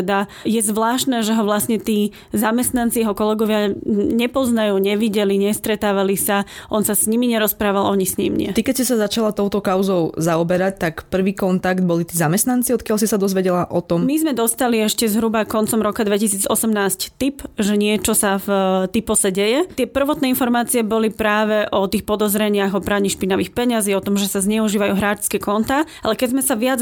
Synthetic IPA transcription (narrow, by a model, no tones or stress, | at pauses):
d̪ajɛzʋlaːʃt̪nɛːʒɛɦɔʋlasɲɛt̪iː | zamɛst̪nant͡sijɛɦɔkɔlɛɡɔʋɪaɲɛpɔznajuːɲɛʋiɟɛliɲɛst̪ɾɛt̪aːʋalisaʔɔnsasɲimiɲɛɾɔspɾaːʋalˠʔɔɲisɲḭmɲɛ̰t̪ikɛcscɛsazat͡ʃalat̪ɔʊt̪ɔkaʊzɔʊzaɔbɛɾac̚t̪akpr̩ʋiːkɔnt̪aɡd̪̚bɔlit̪iːzamɛst̪nant͡siɔt̪̚kɪjalsisad̪ɔzʋɛɟɛlaʔɔt̪ɔmmizmɛd̪ɔst̪aliɛʃcɛzɦɾubakɔnt͡sɔmɾɔkad̪ʋɛcisiːd͡zɔsɛmnaːsct̪ipʒɛɲɪɛt͡ʃɔsaft̪ipɔsɛɟɛjɛt̪ɪɛpr̩ʋɔt̪nɛːinfɔɾmaːt͡siɛbɔlipɾaːʋɛʔɔt̪iːxpɔd̪ɔzɾɛɲɪaɣɔpɾaːɲiʃpinaʋiːxpɛɲaziːɔt̪ɔmʒɛsazɲɛuʒiːʋajuːɦɾaːt͡ʃskɛkɔnt̪a | alɛkɛzmɛsaʋɪad͡z